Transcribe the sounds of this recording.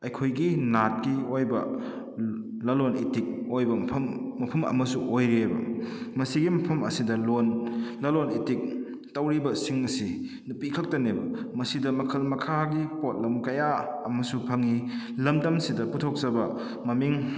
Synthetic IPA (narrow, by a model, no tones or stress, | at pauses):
ɐjkʰojɡinat̚kiojbɐ̰ | lɐlonitik̚ojbɐmːɐpʰɐmɐ̰mɐsuʔojɾebɐ̰mɐsiɡimɐpʰɐmɐ̰sidɐlonlɐlonitik̚ | tɐwɾibɐsiŋɐsi | nupikʰɐk̚tɐnebɐ̰mɐsidɐmɐkʰɐlmɐkʰaɡipot̚lɐmkɐjaɐmɐsupʰɐŋi | lɐmdɐmsidɐputʰok̚sɐbɐ | mɐmiŋ